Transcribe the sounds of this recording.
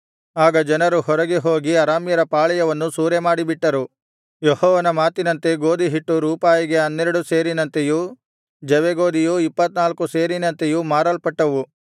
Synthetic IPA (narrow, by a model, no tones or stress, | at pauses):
aːɡɐd͡ʒɐnɐɾuhɔɾɐɡeɦoːɡiɐɾaːmjɐɾɐpaːɭɛjɐʋɐnːusuːɾemaːɽibiʈːɐɾu | jehɔːʋɐnɐmaːt̪inɐnt̪eɡoːd̪iɦiʈːuɾuːpaːjiɡe̞ɐnːeɾɐɽuse̞ːɾinɐnt̪eju | d͡ʒɐʋeɡoːd̪ijuipːɐt̪naːlkuse̞ːɾinɐnt̪ejumaːɾɐlpɐʈːɐʋu